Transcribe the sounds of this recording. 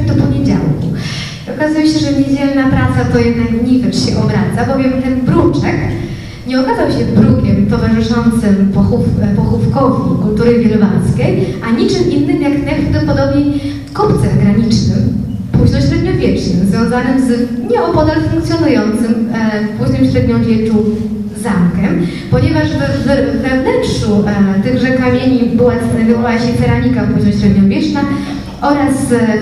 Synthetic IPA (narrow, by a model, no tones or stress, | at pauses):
d̪ɔpɔɲed͡ʑa̰wku | iɔkazujɛɕɛʐɛɲed͡ʑɛlnapɾat̪sat̪ɔjɛd̪nakmɲejvɛʂɕɛʔɔbɾat̪sabɔvʲjɛmt̪ɛnbɾut͡ʂɛk | ɲɛɔkazawɕɛvbɾukʲɛmt̪ɔvaʐɘʂɔnt̪sɘmpɔxufpɔxufkɔvʲḭkult̪uɾɘvʲjɛlɔba̰nskʲejʔaɲit͡ʂɘmʔinːɘmjaknɛfd̪ɛpɔd̪ɔbɲɛj | kɔpt̪sɛmɡɾaɲit͡ʂnɘm | puʑnɔɕɾɛd̪ɲɔvʲjɛt͡ʂnɘmzvʲjɔ̃w̃zanɘmzɲɛɔpɔd̪aɾfuŋkt̪sʲjɔnujɔnt̪sɘmfpuznimɕɾɛd̪ɲɔ̃mvʲjɛt͡ʂu | zamkɛm | pɔɲɛvaʐvɛːɛːɛvnɛntʂut̪ɘɣʐɛkamʲjeɲibɨwasɛnɛvʲɔwawaɕɛsɛɾamʲikapuʑnɔɕɾɛd̪ɲɔvʲjɛt͡ʂna | ʔɔɾas